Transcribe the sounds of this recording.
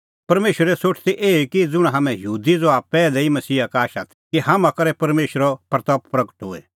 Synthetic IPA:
pɐɾmeːʃəɾɛsoːʈʰt̪iʔeːikid͡zʊɽ̃ãɦamɛ̃jɐɦuːd̪id͡zoaːbpɛːlɛimɐsiːakaːʃat̪ʰkiɦaːmãkɐɾɛpɐɾmeːʃəɾɔpɾɐt̪ɔːppɾɐɡə̥ʈɦʊɛ̰

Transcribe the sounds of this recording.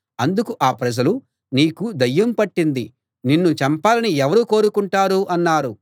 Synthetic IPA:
ɐnd̪ukuʔaːpɾɐd͡ʒɐlu | niːkud̪ɐjːɐmpɐʈːind̪i | ninːut͡ʃɐmpaːlɐniɛʋɐɾuːko̞ːɾukuɳʈaːɾuʔɐnːaːɾu

